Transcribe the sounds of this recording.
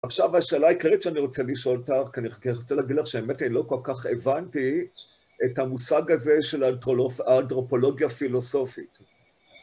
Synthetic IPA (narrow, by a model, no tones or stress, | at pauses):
aχʃavaʃeːlaːikaʁitʃeaniʁo̞t͡seliʃo̞ltaχkianikniʁot͡selaːɡid̪laχʃeemetanilo̞ko̞lkaχe̞vanti | etamusaɡaze̞ʃe̞laːntʁo̞po̞lo̞ɡjafilo̞so̞fit